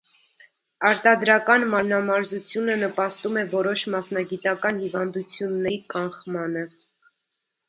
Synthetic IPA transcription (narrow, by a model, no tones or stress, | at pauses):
ɑɾt̪ɑd̪ɾɑkɑnmɑɾnɑmɑɾzut͡sʰjunənəpɑst̪umɛvɔɾɔʃmɑsnɑɡit̪ɑkɑnhivɑnd̪ut͡sʰjunːɛɾikɑχmɑnə